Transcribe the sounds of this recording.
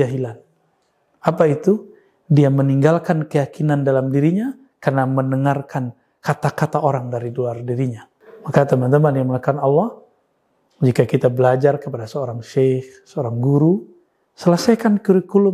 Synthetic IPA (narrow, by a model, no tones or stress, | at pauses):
aɦilan | apait̪u | diaməniŋɡalkankəjakinandalamdiɾiɲa | karnamənəŋarkan | kat̪akat̪aʔoɾaŋdaɾiduardiɾiɲa | makat̪əmant̪əmadiaməŋəkanɑlːɔh | d͡ʒikakit̪abəlad͡ʒarkəpadasəoɾaŋʃehsəoɾaŋɡuɾu | sələsajkankuɾikulʊ